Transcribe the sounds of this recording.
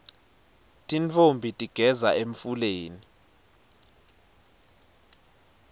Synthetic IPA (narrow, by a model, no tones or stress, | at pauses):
tʼint͡fʰombʱitʼiɡ̥ʱɛzaeɱfuleːni